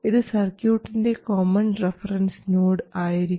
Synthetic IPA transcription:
iðɨsɐrkjuːʈːinde̞koːmɐnrefɐrɐnsnoːɽɨaːjiɾi

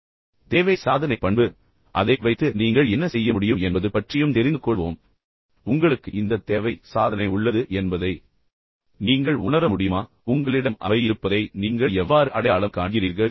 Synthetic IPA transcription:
t̪eːʋɐɪsaːðɐnɐɪpːɐɳbɯ | ʔɐðɐɪʋɐɪt̪ːɯniːŋɡɐɭɛnːɐsɛjːɐmʊɽɪjɯmɛnbɐðɯpɐʈrɪjɯmt̪ɛɾɪnd̪ɯkːɔɭʋoːm | ʊŋɡɐɭɯkːɯɪnd̪ɐt̪eːʋɐɪsaːðɐnɐɪʊɭːɐðɯʔɛnbɐðɐɪ | niːŋɡɐɭʊnɐɾɐmʊɽɪjɯmaː | ʊŋɡɐɭɪɽɐmʔɐ̰ʋɐjɪɾɯpːɐðɐɪniːŋɡɐɭɛʋːaːɾɯʔɐɽɐjaːɭɐmkaːʈɪjɪɾiːɾɣɐɭ

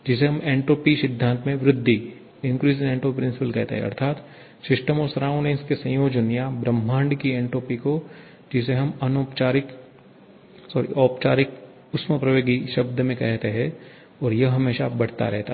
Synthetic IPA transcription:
d͡ʒɪs̬eɦɐmẽːɳʈoːpisɪd̪ʱːãːnt̪mẽʋɾɪd̪ʱːi | ɪ̃ŋkɾiːzɪ̃nẽːɳʈoːpipɾɪ̃nsɪpəlkɛɦt̪ḛɦɛ̰̃ɐ̰ɾt̪ʰaːt̪ | sɪʃʈəmɔːɾsɐɾaːʊ̃nẽnskesɐ̃j̃joːd͡ʒənjabɾɐ̃m̤ːãːɳɖkiẽːɳʈoːpiko | d͡ʒɪs̬eɦɐmɐnoːpt͡ʃaːɾɪk | sɔːɾḭʔɔːpt͡ʃaːɾɪk | ʊsməpɾɐʋoːɡiʃɐb̚d̪ʱmẽkɛɦt̪eɦɛ̃ | ɔːɾjɐɦɐmeːʃa̰bɐɽ̤t̪a̰ɾɛɦt̪a

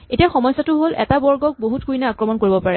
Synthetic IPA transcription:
etiaxɔmɔjsatʊɦolʔɛ̰tabɔɹɡɔk̚boɦut̚kuinaakɹɔmɔnkoɹibɔpaɹɛ

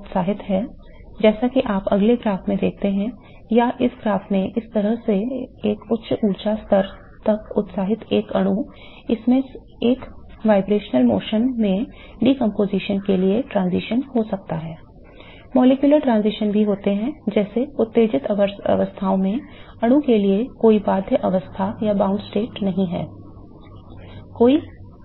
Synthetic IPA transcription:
ʊt̪saːɦɪt̪ɦɛː | d͡ʒɛːsakiʔaːpɐ̰ɡleɡɾaːft̪mẽd̪eːk̚ʰt̪eɦɛ̃ | jaʔɪsɡɾaːft̪mẽʔɪst̪ɐɾəɦseeːkʊtːʃʰuːɾt͡ʃast̪ʰəɾ | t̪ɐkʊt̪saːɦɪt̪eːkɐɽ̃u | ɪsmẽ | eːk | ʋaːɪbɾeːʃnəlmo̰ːʃənmẽ | ɖiːkə̃mpoːziːʃənkelieʈɾãːnziːʃənɦosɐk̚t̪aɦɛː | mɔːleːkjʊləɾʈɾãːnziːʃənbʱiɦoːt̪eɦɛ̃d͡ʒɛːseʊt̪ːeːd͡ʒɪt̪ə̰ʋəst̪ʰaːõmẽ | ɐɽ̃ũkeliekoːibaːd̪ʱjəʔɐʋəst̪ʰajabãːʊ̃ɳɖsʈeːʈnɐɦĩɦɛ̰ː | koːi

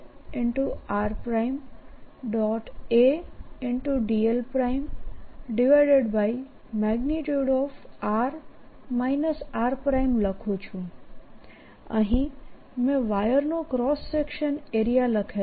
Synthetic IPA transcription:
ɪɳʈuaɾpɾajmɖɔʈeɪɳʈuɖielpɾaimɖɪʋajɖeɖbaj | mɛɡniʈjuɽɔfaɾ | majnəsaɾpɾaimləkʰũt͡ʃʰũ | ə̰ɦĩ | mẽʋajəɾnokɾɔsːekʃəneɾijaləkʰe

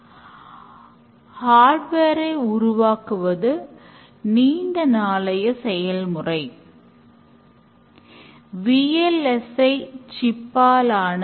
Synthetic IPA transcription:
haːɖʋeːɾɐɪʊɾʊʋaːkɯʋɐðɯ | niːndɐnaːlɐjɐsɛjɐlmɯrɐɪ | ʋiɛlɛsɐɪt͡ʃɪpːaːlaːnɐ

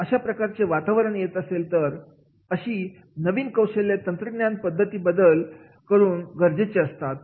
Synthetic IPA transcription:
əɕapɾəkaɾt͡seʋat̪aʋəɾəɳjet̪əselt̪əɾ | əɕiː | nəʋiːnkəwɕelːjat̪ənt̪ɾəɡnjanpəd̪ʱːət̪iːbəd̪əl | kəɾuːnɡəɾd͡ʑet͡ɕeəst̪at̪̚

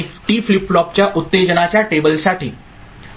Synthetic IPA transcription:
ʈiːflipːɭɔp̚t͡ɕjaʔut̪ːed͡ʑənat͡ɕjaʈebəlsaʈḭː

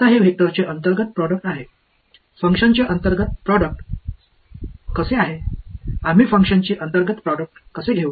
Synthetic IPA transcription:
t̪aɦeʋʱek̚t̪əɾt͡ɕeʔənt̪əɾɡət̪̚pɾɔɽək̚ʈaɦe | fəŋkʂənt͡ɕeʔənt̪əɾɡət̪̚pɾɔɽək̚ʈ | kəseaɦeam̤iːfəŋkʂənt͡ɕiːʔənt̪əɾɡət̪pɾɔɽək̚ʈkəseɡʱeu

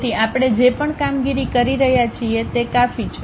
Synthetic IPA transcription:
t̪iapɽ̃ed͡ʒepəɳkamɡiɾikəɾiɾəɦjat͡ʃʰiet̪ekafit͡ʃʰ

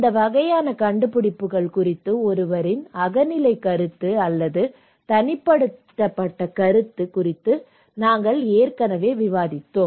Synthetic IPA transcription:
ɪnd̪ɐʋɐɣɐjaːnɐkɐɳɖɯpʊɽɪpːɯɣɐɭkʊrɪt̪ːɯɔɾɯʋɐɾɪnɐɣɐnɪlɐɪkɐɾɯt̪ːɯɐlːɐðɯ | t̪ɐnɪpːɐɽɯt̪ːɐpːɐʈːɐkɐɾɯt̪ːɯkʊrɪt̪ːɯ | naːŋɡɐɭeːrkɐnɐʋeːʋɪʋaːðɪt̪ːoː

